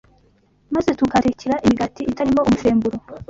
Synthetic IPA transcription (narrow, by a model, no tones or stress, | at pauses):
maze̞tukaɾeciɾaʔimiɡatiːtaɾimoʔomufe̞ːmbuɾo